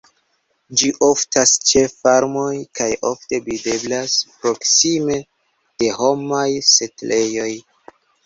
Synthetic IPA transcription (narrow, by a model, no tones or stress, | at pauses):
d͡ʒiʔoftast͡ʃe̞faɾmo̞jkajo̞̰fte̞bide̞blaspɾo̞ksime̞ | d̥e̞ɦo̞majse̞tlʔe̞jo̞j